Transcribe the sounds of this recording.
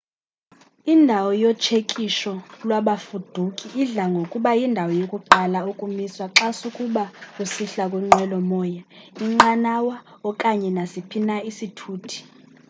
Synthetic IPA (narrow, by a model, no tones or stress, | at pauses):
indʱawɔjɔt͡ʃʰekʼiʃɔlwaɓafud̥ʱukʼiʔːɮaŋɡʱokʼuɓajindʱawɔjokʼuǃalaukʼumiswaǁasukʼuɓakʼusiɬakʼwuŋ͡ǃɛlɔmɔːja | iŋ͡ǃanawa | ɔkʼaɲɛnasipʰinaisitʰuːtʰi̥